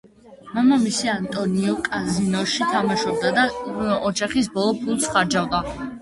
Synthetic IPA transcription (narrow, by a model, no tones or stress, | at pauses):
mamamisiant̪ʼɔniɔkʼazinɔɾʃit̪ʰamaʃɔb̚d̪ad̪aɔd͡ʒaχisbɔlˠɔpʰulˠsχaɾd͡ʒavd̪a